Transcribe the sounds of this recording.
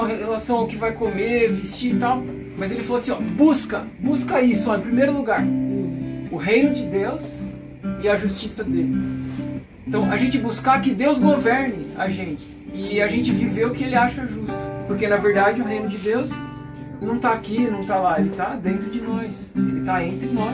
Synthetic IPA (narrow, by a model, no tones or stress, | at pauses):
ɐɦeelasɐ̃w̃aʊkɪvajkomevist͡ʃit̪aw | mɐzelɪfaloasĩɔbuskɐ | buskɐisʊɔẽpɾimejɾʊluɡaɾʊːɦejnʊd͡ʒɪd̪ews | ɪɐʒust͡ʃisɐd̪elɪ | ẽt̪ɐ̃w̃ɐʒẽnt͡ʃɪbuskakɪd̪ewzɡovɛɾnɪɐ̰ʒẽt͡ʃɪ̥ɪɐʒẽnt͡ʃɪviveʊkɪelɪaʃɐɛʒust̪ʊ̥poɾkenɐveɾd̪ad͡ʒɪʊɦejnʊd͡ʒɪd̪ews | nɐ̃w̃t̪aakinɐ̃w̃t̪alaelɪt̪ad̪ẽnt̪ɾʊd͡ʒɪnɔjs | elɪt̪aẽnt̪ɾɪnɔ